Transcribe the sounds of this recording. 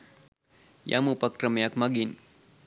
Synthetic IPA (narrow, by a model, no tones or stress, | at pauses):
jʔa̰mupakɾəmejakmaɡin